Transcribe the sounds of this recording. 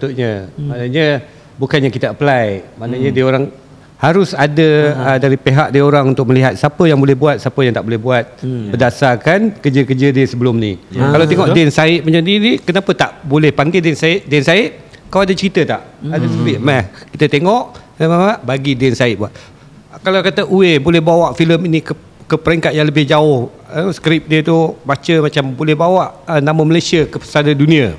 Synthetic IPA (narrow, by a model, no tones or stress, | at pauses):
t̪uʔɲəmanəɲə | bukanjãkit̪əəpəlajmanaɲədiəoɾaŋ | haɾʊsadəədaɾipeɦak̚diioɾaŋunt̪ʊk̚məliɦat̪̚sapəjaŋbolɛhbuat̪̚sapəjaŋt̪aʔbolɛhbuat̪̚bədasakankəd͡ʒəkəd͡ʒədəsəbəlʊmnikalawt̪eŋɔʔdɪnsaɪʔ̚məɲadiɾikənapət̪aʔbolɛhpaŋɡadɪnsaɪʔ̚dɛnsaɪʔ̪̚ | kawadat͡ʃəɾit̪ət̪a̰ʔadasəbɪʔmɛhkit̪ət̪eŋɔʔkənamaaʔbaɡidɛnsaɪt̪̚buaʔ | kalakat̪əʔuebolɛhbawaʔfiləminikə | kəpəɾɛŋkat̪̚jaŋləbɪhd͡ʒaʊh | əskɾɪp̚diət̪ubat͡ʃəmat͡ʃambolɛhbawaʔənãmə̃məlajsiəkəpəsanadunĩa